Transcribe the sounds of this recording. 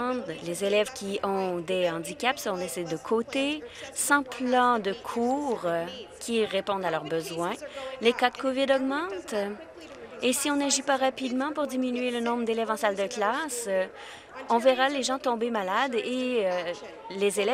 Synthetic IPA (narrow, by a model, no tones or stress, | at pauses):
d̪lezelɛvkʲiɔ̃d̪eɑ̃d̪ikʲapsəɔ̃nesɛd̪əkʰot̪esɑ̃plɑ̃d̪əkʰuːʁkʲʰiʁepɔ̃d̪alœʁbəzwɛ̃lekad̪kɔvɪd̪ɔɡmɑ̃t̪ | esiɔ̃naʒipaʁapid̪mɑ̃puʁd̪iminyelənɔ̃bʁəd̪elɛvɑ̃sald̪əklas | ɔ̃vɛʁaleʒɑ̃t̪ɔ̃bemalad̪eø | lezelɛ